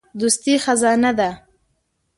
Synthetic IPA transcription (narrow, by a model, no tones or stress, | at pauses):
d̪ust̪ixazɑnad̪a